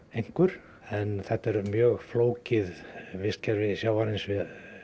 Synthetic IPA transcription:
ejŋ̥kʏɾ̥ | ɛnθɛht̪ːɛɾmjœːɣfloːwcɪðvɪscaɾvɪðsjaːwvaɾɪnsvɪð

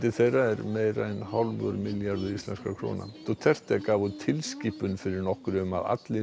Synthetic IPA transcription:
t̪ɪθejrːaɛɾmejraɛnhawlmœ̰ɾmɪljaɾðʏist̪lɛnskakʰɾo̰ːna̰t̪ɔt̪ʰɛr̥t̪akaːvʏt̪ʰɪlsccipʏnfɪɾɪɾnɔhkɾʏma̰ða̰t̪lɪ

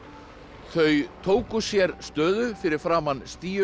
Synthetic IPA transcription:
θœɥt̪ʰoːwkʏsjɛɾst̪œːðʏfɪɾɪɾ̥fɾaːmanst̪iːʏ

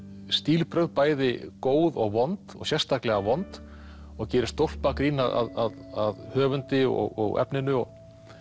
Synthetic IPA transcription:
st̪iːlpɾœɥɣðpaːjðɪkoːwðɔɣvɔnt̪ɔ̰ɣsjɛrst̪ʰaklɛɣavɔnt̪ | ɔɣcɛːɾɪst̪owl̥pakɾiːnaðʔa̰ðaðaðhœːvʏnt̪ɪɔ̰ɣɔ̰ɣɛ̰pnɪnʏɔɣ

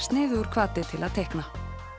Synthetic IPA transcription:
st̪nɪːðuɾ̥kʰvaːt̪ɪt̪ʰɪlaðt̪ʰɛhkna

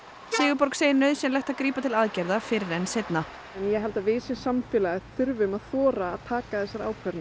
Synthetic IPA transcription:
sɪːɣʏpɔɾkseːjɪnːœɥðsjɛmlɛjht̪akɾiːpat̪ʰɪlaðcɛɾðafɪɾɪɾɛnsejt̪na | ɛnjɛɦɛlt̪avɪːsjɛsamfɪlaɪθʏɾvʏmaðθɔːɾa̰ːðt̪ʰaːkaθɛsːaɾa̰ːwkʰvɛɾn

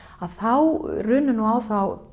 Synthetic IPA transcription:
aðθawrʏːnʏnuawθaw

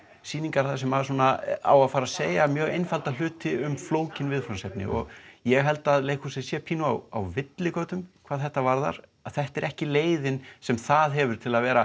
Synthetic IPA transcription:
siːniŋkaɾ̥θas̬ɛmaðsuːnaa̰waðfaːɾaðseːjamjœːɣejnfalt̪al̥ʏːt̪ɪʏmfloːwcɪnvɪðfɾansɛp̚nɪ̰ʔɔ̰ɣjɛɦɛl̪t̪aðleːjkʰusɪsjɛpʰiːnuawa̰wvɪt̪lɪkoːwt̪ʏmkʰvaðθɛht̪ːavaɾða̰ɾ̥aθɛht̪ɛɾʔɛhcɪleːjðɪnsɛmθaðɦɛvʏɾ̥t̪ʰɪlaðvɛːɾa

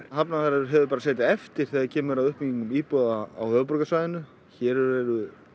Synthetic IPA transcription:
ɦapnaθaɾaɾɦɛvʏp̬aːɾaseːjt̪̬ɪɛft̪ɪɾ̥θɛaɾcʰɛːmʏɾawʏhpmiɲiŋʏmiːpɔðaawhœːvpɾɔkasvajðɪnʏ | çɛːɾɛɛɾʏ

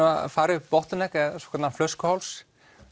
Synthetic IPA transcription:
a̰faːɾɪpɔht̪ʏnɛkɛðsɔ̥kʰɛɾt̪aflœskʏhawls

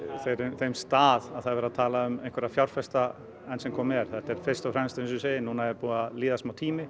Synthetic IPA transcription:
θejɾʏθejmst̪aːðaðθaðvɛɾat̪ʰaːlaʏmejnkʰvɛɾafjawɾ̥fɛst̪a | ɛnsɛmkʰɔːmɛɾ̥θɛht̪ɛɾ̥fɪɾ̥st̪ɔfɾɛmst̪esʏsejɪnuːnaɛɾpuːaliːðasmawt̪ʰiːmɪ

